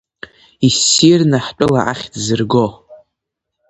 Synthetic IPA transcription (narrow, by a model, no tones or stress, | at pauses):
isːirnaħt͡pʼʊla̰ʔaχʲdzɨrɡo